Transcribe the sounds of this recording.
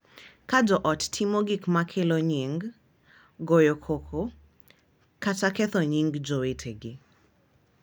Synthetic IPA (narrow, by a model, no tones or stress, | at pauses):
kad͡ʒɔʔɔttʰimoɡikmakʰeloɲiŋɡ | ɡojokʰokʰo | kat͡ʃakɛθɔɲiŋɡd͡ʒowetʰeɡɪ